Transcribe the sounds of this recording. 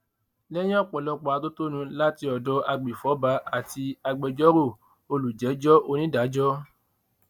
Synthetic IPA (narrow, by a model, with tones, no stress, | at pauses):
lɛ˦j̃ɛ̃˦ɔ˦˨k͡pɔ˨lɔ˧k͡pɔ˨a˨˧to˦to˦nũ˧la˦ti˧ɔ˨dɔ˨˦a˧ɡ͡be˨fɔ˨˦ba˧˦a˦˨ti˧a˧ɡ͡bɛ˧d͡ʒɔ˦ɾo˦˨ | o˧lu˨d͡ʒɛ˨˦d͡ʒɔ˦ʔo˧nĩ˦da˨˦d͡ʒɔ˦